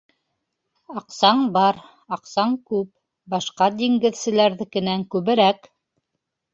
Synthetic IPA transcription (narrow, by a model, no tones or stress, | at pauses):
ɑqsɑɴbɑɾ | ɑqsɑɴkʉp | bɑʃqɑd̪iŋɡɘ̆ðsɘ̆læɾðɘkɘ̆næŋkʉβɘ̆ɾæk